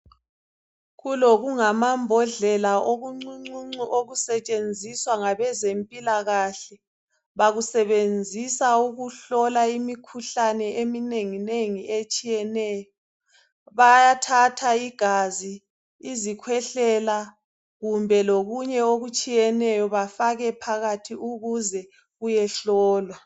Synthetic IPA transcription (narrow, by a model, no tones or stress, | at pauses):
ɣuloɣuŋamambʱɔɮɛlaoɣuŋ͡ǀuŋ͡ǀuŋ͡ǀioɣusɛt͡ʃʼend͡zʱiswaŋaβɛzempʼilaɣaɬɛ | βaɣusɛβend͡zʱisauɣuɬɔlaimikʰuɬanɛʔemineŋineŋiet͡ʃʼijɛnɛːjɔ | βajatʰatʰaiɡ̥ʱaziː | zikʰwɛɬɛla | ɣumbʱɛloɣuɲɛoɣut͡ʃʼijɛnɛjɔβafaɣɛpʰaɣatʰiuɣuzɛ | ɣujɛɬɔːlwa